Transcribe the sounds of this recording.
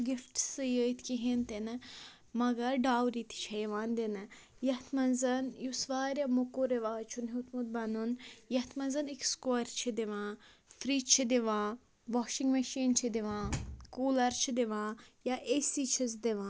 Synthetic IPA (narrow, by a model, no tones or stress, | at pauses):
ɡifʈsɨjəːt̪ʰkiɦint̪enɨ | mɐɡɐɾɖaːwɾit̪ʰi̥t͡ʃʰɐjiʋãːnd̪inɨ | jɐt̪ʰmɐnzɐnjusʋaːɾʲjamokoɾeʋaːt͡ʃʰunɦit̪mud̪̚bɐnunjɐt̪ʰmɐnzɐnikskːɾt͡ʃʰid̪iʋãː | fɾiːt͡ʃʰid̪iʋãː | ʋɔʃiŋɡmɐʃiːnt͡ʃʰid̪iʋãːkuːlɐɾt͡ʃʰid̪iʋãːjaːʔeːsit͡ʃʰizd̪iʋãː